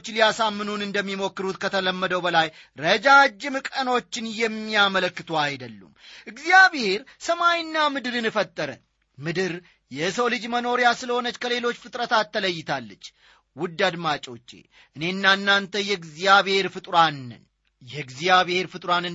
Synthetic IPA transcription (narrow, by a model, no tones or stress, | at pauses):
t͡ʃːlijasamːɨnunɨnd̪əmːimo̞kːɨɾut̪kʰət̪ʰələmːəd̪əwbəlajɾəd͡ʒad͡ʒːɪmɨkʼəno̞t͡ʃːɪnjɛmːiamələkːɨt̪ʰuajd̪əlːṵmʔɨɡzijaβhe̞ɾsəmajnːamɨd̪ɨɾɨnɨfət̪ʼːəɾə̰ | mɨd̪ɨɾ | jɛsowlɨd͡ʒməno̞ɾijasɨləho̞nət͡ʃːkʰəle̞lo̞t͡ʃːfɨt̪ʼɾət̪ʰat̪ːələjːɪt̪ʰalːət͡ʃː | wʊd̪ːad̪mat͡ʃʼo̞t͡ʃːe̞̰ | ʔɨne̞ɨnːanːant̪ʰəjɛɡzijaβhe̞ɾfɨt̪ʼɾan̰n | jɛɡzijaβhe̞ɾfɨt̪ʼɾanɨ